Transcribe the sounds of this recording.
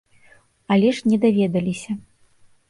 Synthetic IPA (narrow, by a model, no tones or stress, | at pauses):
alʲɛʂnʲɛd̪avʲɛd̪ɐlʲisʲɐ